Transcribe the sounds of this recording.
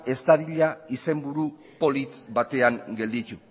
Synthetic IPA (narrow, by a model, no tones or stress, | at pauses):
e̞st̪aðiʎaise̞mbuɾu | po̞lit͡s̪bat̪e̞aŋɡe̞ld̪it̪u